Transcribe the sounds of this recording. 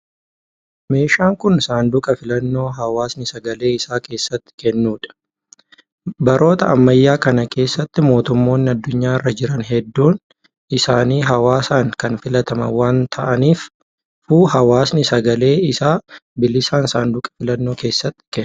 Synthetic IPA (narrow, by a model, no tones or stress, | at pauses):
me̞ːʃaːŋkʊnsaːnd̪ʊkʼɐfɪlɐnːo̞ːɦɐwaːsnɪsɐɡɐle̞ːɪsaːke̞ːsːɐt̪ːɪ̥kɛnːuːᶑɐ̥ | bɐɾo̞ːt̪ɐɐmːɐjːaːkɐnɐkʰe̞ːsːɐt̪ːɪmo̞ːt̪ʊmːo̞ːnːɪɐd̪ːʊɲːaːɪrːɐd͡ʒɪɾɐnɦɛd̪ːuːn | ɪsaːniːɦɐwaːsaːŋkɐnfɪlɐt̪ɐmɐ̰waːnt̪ʰɐʔɐniːf | fuːhɐwaːsnɪsɐɡɐle̞ːɪsaːbɪlɪsaːnsaːnd̪ʊkʼɐ̥fɪlɐnːo̞ːke̞ːsːɐt̪ːɪ̥kɛ